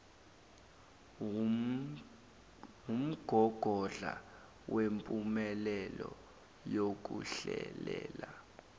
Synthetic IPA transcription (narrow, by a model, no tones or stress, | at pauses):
um̩ɡ̥ʱɔɡ̥ʱɔɮa | wʔempʼumɛlɛlɔ | jok̬uɬɛlɛːla